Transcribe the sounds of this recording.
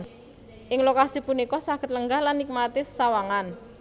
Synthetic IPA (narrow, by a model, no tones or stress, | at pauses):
ʔɪŋlokasipunikɔsaɡ̥ət̪̚ləŋɡahlanːik̚mat̪ɪssawaŋan